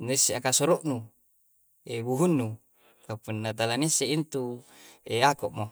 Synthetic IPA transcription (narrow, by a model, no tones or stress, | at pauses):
niseakasɔɾɔʔnu | ebuɦunːu | kapunːat̪alaniseint̪ueakɔʔmo